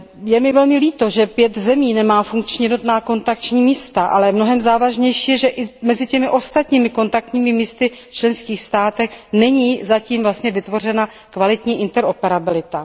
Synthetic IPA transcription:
jɛmɪvɛlmɪliːt̪o̞ʒɛpjɛt̪zɛmiːnɛmaːfuŋkt͡ʃɲɛjɛdnot̪naːko̞nt̪akt͡ʃɲiːmiːst̪aʔa̰lɛmno̞ɦɛmzaːvaʒɲɛjʃiːjɛʒɛʔɪmɛzɪcɛmɪʔo̞st̪at̪ɲiːmɪko̞nt̪ak̚t̪ɲiːmɪmiːst̪ɪft͡ʃlɛnskiːxst̪aːt̪ɛxnɛɲiːzaciːmvlast̪ɲɛvɪt̪vo̞r̝ɛna | kvalɪt̪ɲiːʔɪnt̪ɛɾopɛɾabɪlɪt̪a

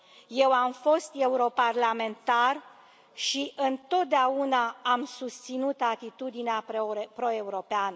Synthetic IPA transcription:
je̞wamfo̞st̪e̞uɾo̞parlame̞nt̪ar | ʃiʔɨnt̪o̞t̪̚d̪eaunaamsust̪sinut̪at̪it̪ud̪ineapɾo̞e̞uɾo̞peanə

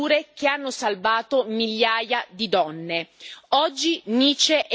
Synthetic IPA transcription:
uːɾek̟eanːosalvaːt̪omiʎːaːjad̪id̪ɔnːeɔd͡ʒːiniːt͡ʃeʔ

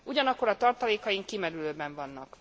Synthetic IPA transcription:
uɟɒnɒkːo̞ɾɒt̪ɒrt̪ɒleːkɒjiŋkːimɛɾyløːbɛɱvɒnːɒk

